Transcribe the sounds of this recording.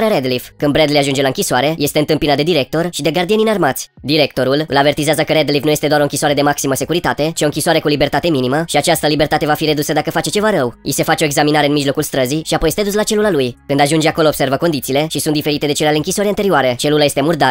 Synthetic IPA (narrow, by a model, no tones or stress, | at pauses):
ɾeaɾed̪liv̥kɨnd̪bɾed̪leaʒund͡ʒelaɨŋkʲisoaɾe̞je̞st̪e̞ɨnt̪ɨmpinad̪ed̪iɾe̞k̚t̪o̞rʃid̪e̞ɡard̪ie̞ninarmat̪sʲ | d̪iɾe̞k̚t̪o̞ɾulɨ̰lave̞rt̪izeazəkəɾed̪livnuje̞st̪e̞d̪oaɾo̞ɨŋkʲisoaɾe̞d̪e̞maksiməse̞kuɾit̪at̪e̞t͡ʃio̞ɨŋkʲisoaɾe̞kulibe̞rt̪at̪e̞miniməʃiat͡ʃast̪əlibe̞rt̪at̪e̞vafiɾe̞d̪usəd̪akəfat͡ʃe̞t͡ʃe̞vaɾəwḭse̞fat͡ʃeo̞eɡzaminaɾe̞ɨnmiʒlo̞kulst̪ɾəziʃiapo̞jest̪ed̪us̬lat͡ʃe̞lulalujkɨnd̪aʒund͡ʒeako̞lo̞ːbse̞ɾvəkond̪it̪siːle̞ʃisund̪ifeɾit̪e̞d̪e̞t͡ʃelealeɨŋkʲisoəɾeant̪e̞ɾioaɾe̞t͡ʃe̞lulaje̞st̪e̞murd̪a